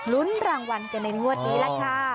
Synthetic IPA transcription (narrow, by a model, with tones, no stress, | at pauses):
lu˦˥nɾaː˧ŋwa˧nka˧˩na˧jmu˥˩ət̪̚niː˦˥la˧˩kʰa˥˩